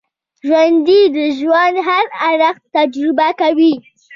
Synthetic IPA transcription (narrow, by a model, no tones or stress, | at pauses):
ʒwand̪id̪əʒwand̪ɦaɾaɾaxt̪ad͡ʒɾɪbakawi